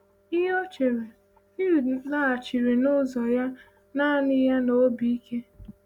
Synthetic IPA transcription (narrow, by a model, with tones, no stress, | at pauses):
i˦ɦɔ˦t͡ʃe˨ɾe˨ | i˦˨la˦˨t͡ʃi˨ɾe˨nʊ˦zɔ˨ja˦ | na˦nɪ˦ja˦no˨˦bi˨i˦ke˦